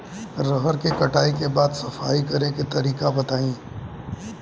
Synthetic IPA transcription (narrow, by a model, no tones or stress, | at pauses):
ɾəɦəɾkekɐʈʰaːikebaːd̪sɐfaːikɐɾeket̪ɐɾiːkabɐt̪aːĩː